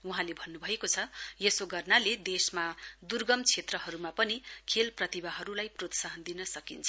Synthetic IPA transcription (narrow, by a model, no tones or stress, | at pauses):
uɦãlebʱʌnːubʱʌekot͡sʰʌjesoɡʌrnaled̪esmad̪urɡʌmt͡sʰet̪rʌɦʌɾumapʌnikʰelprʌt̪ibaɦʌɾulajprot̪saɦʌnd̪inʌsʌkint͡sʰʌ